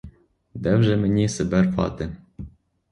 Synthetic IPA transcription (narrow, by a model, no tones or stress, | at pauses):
d̪æwʒɘmɘ̆nʲisɘ̆bærpɑ̰t̪ɘ̆